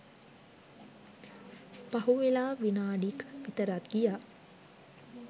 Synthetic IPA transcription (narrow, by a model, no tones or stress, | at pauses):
paɦuʋelaːʋinaːɖikʋit̪əɾat̪ɡijaː